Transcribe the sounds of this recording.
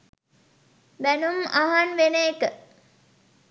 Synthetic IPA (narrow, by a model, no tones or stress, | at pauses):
bænumaɦanʋenəekə